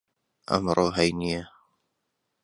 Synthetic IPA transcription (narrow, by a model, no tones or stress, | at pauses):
ʔa̰mɾuɦajnɪja